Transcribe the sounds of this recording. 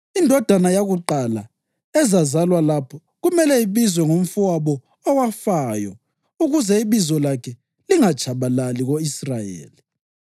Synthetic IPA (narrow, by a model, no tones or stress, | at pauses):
indʱɔd̥ʱanajaɣuǃala̰ | ɛzazalwalapʰɔ | ɣumɛlɛiβizwɛŋom̩fuwaβɔː | wafajɔ | uɣuzɛiβizɔlakʰɛ | liŋat͡ʃʰʼaβalaliɣoisrajḛːli